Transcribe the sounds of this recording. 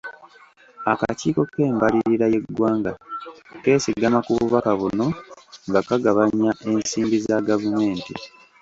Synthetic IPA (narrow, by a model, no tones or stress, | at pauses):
akaciːko̞ke̞ːmbaliɾiɾaje̞ɡwaːŋɡake̞ːsiɡamakuβuβakaβuno̞ŋɡakaɡaβaɲaʔe̞nsiːmbizaɡavume̞ːntḭ